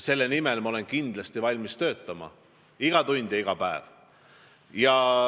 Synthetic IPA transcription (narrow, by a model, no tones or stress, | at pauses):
se̞lːenimelmɑo̞le̞nkind̪̥lɑst̪ivɑlʲmist̪ø̞ːt̪ːˑɑmɑ̰ | iɡ̥ɑt̪unʲd̪̥ʲjɑiɡ̥ɑpæev̥ | jɑ